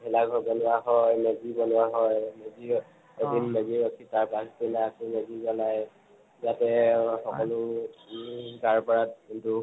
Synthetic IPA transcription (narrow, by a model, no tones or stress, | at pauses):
ɦɛlaɡɔbɔnʊwaɦɔjmeɡibɔnʊaɦɔjmezi | edʱinmeziɹɔkʰitaɹpaskinaakumeɡizanaj | zatɛxɔkɔlʊ | ɡaɹpɔɹat̚kintu